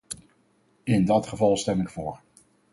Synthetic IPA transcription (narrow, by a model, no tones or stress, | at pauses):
ɪndɑtχəvɑlˠstɛmɪkfʊːɹ